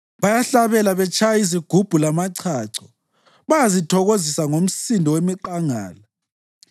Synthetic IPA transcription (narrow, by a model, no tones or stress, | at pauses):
βajaɬaβɛlaβɛt͡ʃʰʼajaiziɡ̥ʱub̥ʱulamaǀʰaǀʰɔ | βajazitʰɔɣozisaŋom̩sindʱɔwemiǃaŋa̰ːla